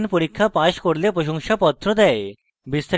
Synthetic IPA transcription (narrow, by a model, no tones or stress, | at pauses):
npoɾikʰːapaʃkoɾlepɾoʃoŋʃapɔt̪ːɾod̪ɛe | bist̪a